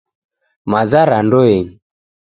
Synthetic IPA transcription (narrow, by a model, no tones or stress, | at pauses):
mazaɾandɔɛɲi